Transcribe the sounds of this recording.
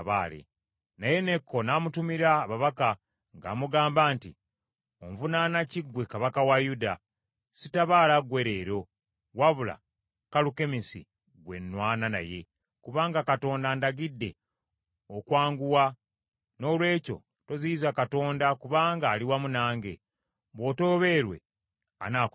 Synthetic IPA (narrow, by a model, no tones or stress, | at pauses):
βaːlḛ | naje̞ne̞kʰːo̞namutumiɾaːβaβaka | ŋɡa̰ːmuɡaːmbaːntḭ | oɱvunanaciɡwekaβakawajuda | sitaβaːlaɡwe̞ɾe̞ːɾo̞ | waβula̰ | kaluke̞misḭ | ɡwe̞nːwaːnana̰je̞̰ | kuβaːŋɡakato̞ːndaːndaɡidːe̞ | okwaːŋɡuwa | no̞lwe̞ːco̞̰ | to̞ziizakato̞ːndakuβaːŋɡaːliwamunaːŋɡe̞ | βo̞to̞ːβe̞ːɾwe̞̰ | a̰naːk